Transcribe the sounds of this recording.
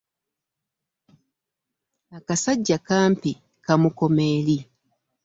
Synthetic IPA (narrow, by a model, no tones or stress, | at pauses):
akasaɟːakaːmpi | kamuko̞meːli